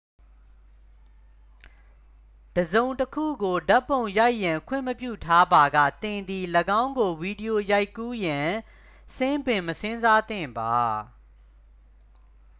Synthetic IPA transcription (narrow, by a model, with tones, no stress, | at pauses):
d̥əzõ˨ʊ̃ntəkʰṵ˦˨ɡo˨da˦pːõ˨ʊ̃ja˦ɪʔjã˨ŋkʰwɪ̰̃˦˨məpjṵ˦˨tʰa˦ba˨ɡä̰˦˨t̪ɪ̃˨nd̪i˨ləɡã˦ʊ̃ŋɡo˨vi˨di˨jo˨ja˦ɪkːu˦jã˨ | sʰɪ̃˦mbɪ̃˨məsɪ̃˦nza˦t̪ɪ̰̃˦˨mba˨